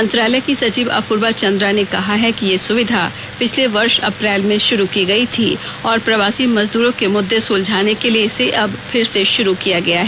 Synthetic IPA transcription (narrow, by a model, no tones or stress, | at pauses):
mɐ̃nt̪ɾaːlɛkisɐt͡ʃiːʋɐ̰puɾbat͡ʃɐ̃nd̪ɾanekɐɦaɦɛkijesʊʋɪd̪ʱa | pɪt͡ʃʰleʋɐɾʃɐ̰pɾɛːlmẽʃʊɾukiɡɐit̪ʰi | ɔːɾpɾɐʋaːsimɐzd̪uːɾõkemʊd̪ʱːesuːld͡ʒʱaːnekelieseʔɐbfʰɪɾseʃʊɾukijaɡɐjaɦɛ